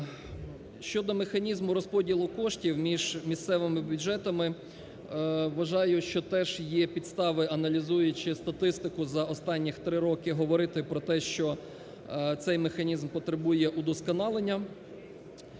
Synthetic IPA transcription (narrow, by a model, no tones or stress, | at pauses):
ʃt͡ʃɔd̪ɔmexɐnʲizmʊɾɔspɔdʲilˠʊkɔʃtʲiwmʲiʒmʲist̪sɛʋɪmɪbʲʊd͡ʒɛt̪ɐmɪ | ʋɐʒɑjʊʃt͡ʃɔt̪ɛʒjɛpʲid̪st̪ɑʋɪʔɐnɐlʲizujʊt͡ʃɪst̪ɐt̪ɪst̪ɪkʊzɐʔɔst̪ɑnʲːixt̪ɾɪɾɔkɪɦɔʋɔɾɪt̪ɪpɾɔt̪ɛʃt͡ʃɔ | t̪sɛjmexɐnʲizmpɔt̪ɾebujɛʔud̪ɔskɔnɑlˠenʲːɐ